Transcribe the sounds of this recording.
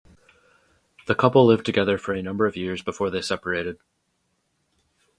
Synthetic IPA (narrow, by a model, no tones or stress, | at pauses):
ðəkʰʌpl̩ˠlɪvtʰɨɡɛðə˞fə˞ɨnʌ̃mbə˞ʌvjɪɹzbɨfɔɹðeɪsɛpə˞eɾɨd̥̚